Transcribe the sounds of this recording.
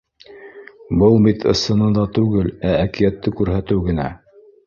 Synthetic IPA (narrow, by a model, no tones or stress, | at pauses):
bɤlˠbit̪ʰɤ̰̆sɤ̆nɤd̪ˠɑt̪ʉɡɘlæːkijæt̪ːɘkʉɾɦæt̪ɘwɡɘ̆næ